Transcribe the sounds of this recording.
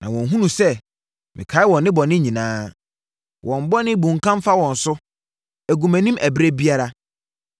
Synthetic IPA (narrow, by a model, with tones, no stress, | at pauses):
nã˨wɔ̃˨nɦũ˦nũ˨sɛ˦ | mʔɪ̰̃˨kʰa˨˦ɪ˦wɔ̃˨nːɪ̃˦bɔ˨nɪ̃˦ɲĩ˨nãː˦ | wʔɔ̃˨m˨bɔ˦nɪ̃˦bũ˨ŋ̩˨kʰã˦m˦fa˦wɔ̃˨n̩˨sʊ˦ | æ˨ɡu˨mæ̃˨nĩ˦mʔæ˨bɾe˦bi˦a˦ɾa˦